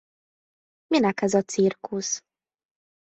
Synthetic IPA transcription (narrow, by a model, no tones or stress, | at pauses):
minɛkɛzɒt̪sirkus